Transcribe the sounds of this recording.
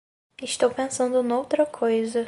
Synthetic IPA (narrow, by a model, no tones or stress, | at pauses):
ɪʃt̪owpẽsɐ̃nd̪ʊnowt̪ɾɐkʰojzɐ